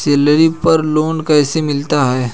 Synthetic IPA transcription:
seːləɾipɐɾloːnkɛːsemɪlt̪aɦɛː

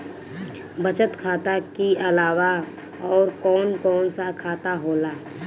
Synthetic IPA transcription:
bɐt͡ʃət̪kʰaːt̪akiɐlaːwa | ɔːɾkɔːnkɔːnsakʰaːt̪aɦoːlaː

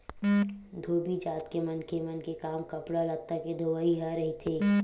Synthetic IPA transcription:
d̪ʱoːbid͡ʒaːt̪kemɐnkemənkekaːmkɐpɽalɐt̪ːaked̪ʱoʋaiɦaɾɐɦit̪ʰeː

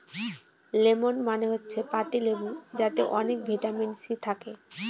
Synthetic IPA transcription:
lemonmaneɦotːɕʰepat̪ilemond͡ʑat̪eʔɔnek̚bʱeʈaminsit̪ʰake

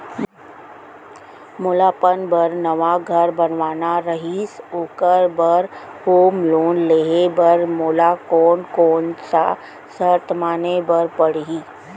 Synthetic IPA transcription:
moːlaːpənbəɾnəʋaɡʱəɾbənʋaːnaɾəɦisoːkəɾbəɾhoːmloːnleːɦebəɾmoːlakɔːnkɔːnsa̰ | səɾt̪ʰmaːnebəɾpəɽɦiː

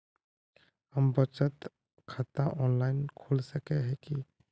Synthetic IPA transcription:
ɦəmbət͡ʃət̪ | kʰat̪aʔɔnlaɪnkʰolsəkeɦɛki

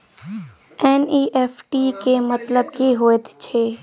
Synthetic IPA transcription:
ɛːniːʔeːpʈikemɐt̪ləbkiɦoːet̪t͡ʃʰeː

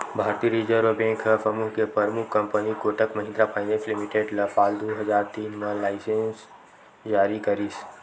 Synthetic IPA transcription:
bʱaːɾt̪iɾiːd͡ʒəɾʋbẽːŋkʰpɾɐmuɦkepɐɾmʊkʰːɐ̃mpənikoʈəkmɐɦɪ̃nd̪ɾapʰaːɪneslɪmiʈeːɖlɐpaːld̪oɦɐzaːɾt̪iːnmãlaːɪsẽns | d͡ʒaːɾikɐɾiːs

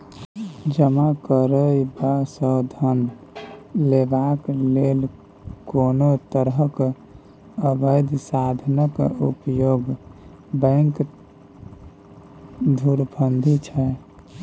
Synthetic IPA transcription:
d͡ʒəmakəɾəibasəd̪ʱən | lebaklel | konot̪əɾəɦək | əbəɪd̪sad̪ʱnəkupjoɡ | bə̃ŋk | d̪ʱuɾbʱənd̪ʱit͡ʃʰɛ

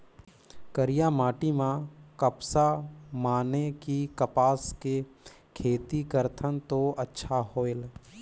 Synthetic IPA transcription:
kəɾijamaːʈimãkəpsamaːnekikəpaːske | kʰeːt̪ikəɾt̪ʰənt̪oətːʃʰaɦoːel

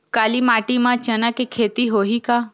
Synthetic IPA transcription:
kalimaʈimãt͡ʃənakekʰet̪iɦoɦika

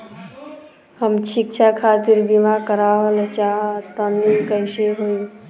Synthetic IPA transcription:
həmt͡ʃʰik̚t͡ʃʰakʰat̪iɾbimakəɾaʋəlt͡ʃaɦt̪ənikəjseɦoj

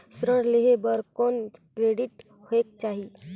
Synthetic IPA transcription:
sɾəɽleɦebəɾkonkɾeɖiʈ | hoek̚t͡ʃaɦi

